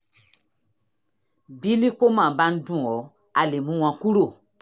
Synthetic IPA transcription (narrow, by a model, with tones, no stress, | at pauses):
bi˦li˦k͡po˦mã˨ba˦n̩˦dũ˦˨ɔ˨˦ | a˨le˨mũ˦w̃ã˧ku˦ɾo˦˨